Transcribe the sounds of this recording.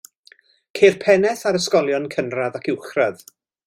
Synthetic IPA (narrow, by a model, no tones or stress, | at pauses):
kʰeːrpʰɛnɛθaɾəskɔlˠjɔnkʰənraðakʰɪwχrað